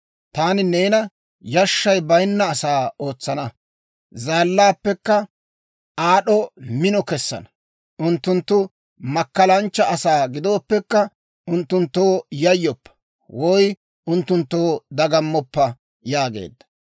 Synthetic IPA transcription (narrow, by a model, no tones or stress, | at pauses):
t̪aːnɪneːnɐ | jɐʃːɐjbɐjnːɐːsaːoːt͡sːɐnɐ | zaːlːaːpːɛkːɐ | aːɗɔmɪnɔkɛsːɐ̰nɐ | ʔʊnt̪ːʊnt̪ːʊ | mɐkːɐlɐnt͡ʃːɐɐsaːɡɪd̪o̞ːpːɛkːɐ | ʊnt̪ːʊnt̪ːo̞ːjɐjːɔpːɐ̥ | wɔj | ʊnt̪ːʊnt̪ːo̞ːd̪ɐɡɐmːɔpːɐ | jaːɡḛːd̪ːɐ̥